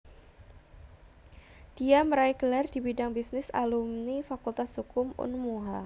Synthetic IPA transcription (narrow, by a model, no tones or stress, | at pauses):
d̥iaməɾaɪɡ̥əlardibidaŋbisnɪsa̰lumnifakult̪ashukʊmʊ̰nmuɦa